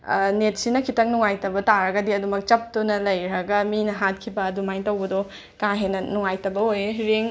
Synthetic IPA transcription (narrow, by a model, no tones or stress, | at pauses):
net̚sinɐkʰitɐŋnuŋajtɐbɐtaɾɐɡɐdiɐdumɐk̚t͡ʃɐp̚tunɐlɐjɾɐɡɐminɐɦat̚kʰibɐdumajtɐwbɐdɔ | kaɦenɐnuŋajtɐbɐojeɾeŋ